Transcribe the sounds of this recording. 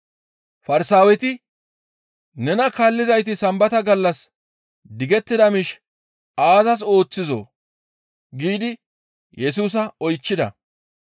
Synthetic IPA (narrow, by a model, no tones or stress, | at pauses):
fɐɾsaːwɛt̪ɪ | nɛnɐkaːlːɪzɐjt̪̬ɪsɐmbɐt̪ɐɡɐlːɐs | d̪ɪɡɛt̪ːɪd̪ɐmɪʃ | aːzɐs̬o̞ːt͡sːɪzo̰ | ɡiːd̪ɪ | jʔɛs̬uːs̬ɐɔjt͡ʃːɪd̪ɐ̰